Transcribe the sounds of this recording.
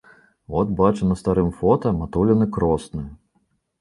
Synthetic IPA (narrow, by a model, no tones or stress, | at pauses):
vɔt̪bat͡ʂɨnɐst̪aɾɨmfɔt̪ɐmat̪ulʲɐnɨkɾɔsnɨ